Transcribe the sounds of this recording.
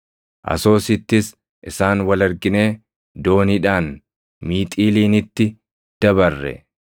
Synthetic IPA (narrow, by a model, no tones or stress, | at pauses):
ʔɐ̰so̞ːsɪt̪ːɪs | ʔɪsaːnwɐlɐɾɡɪne̞ː | d̪o̞ːniᶑaːn | miːt̪ʼiːliːnɪt̪ːɪ | d̪̥ɐbɐrːɛ̰